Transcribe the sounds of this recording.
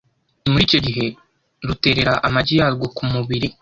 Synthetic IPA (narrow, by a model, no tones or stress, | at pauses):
muɾico̞ɟiɦe̞ | ɾute̞ːɾe̞ɾaʔamaɟijaːɾɡo̞kumuβiɾi